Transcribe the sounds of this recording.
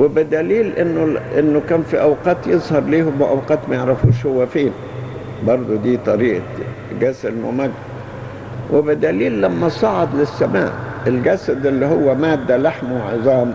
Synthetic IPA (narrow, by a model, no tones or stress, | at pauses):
wɪbɪd̪æliːlʔɪnːʊʔɪnːʊkæːnfiʔawqɑːt̪jezˤhɑɾˤliːhʊmbɪʔawqɑːt̪mæjeʕɾæfuːʃhʊwːæfiːn | bɑɾˤd̪ˤod̪iːt̪ˤɑɾiːʔa | ɡæsɪlwɪ̰mæɡ | wɪbɪd̪æliːlːæmːæsˤɑʕɑd̪lɪsːæma̰ːʔelɡæsæd̪ʔɪlːiɦʊwːæmaːd̪ːælaħmwʕezˤɑːm